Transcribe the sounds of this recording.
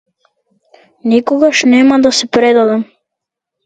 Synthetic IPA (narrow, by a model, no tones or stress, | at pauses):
nikoɡaʃnemad̪asepɾed̪ad̪am